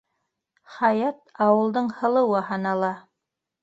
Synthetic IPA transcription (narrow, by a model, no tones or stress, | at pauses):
χɑjɑt̪ɑwɤ̆lˠd̪ɤɴhɤ̆lˠɤ̆wɤɦɑnɑlˠɑ